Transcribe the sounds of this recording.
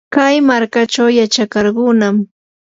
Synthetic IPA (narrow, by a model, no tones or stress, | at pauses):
kajmaɾkat͡ʃawjat͡ʃakɑɾɢʊːnam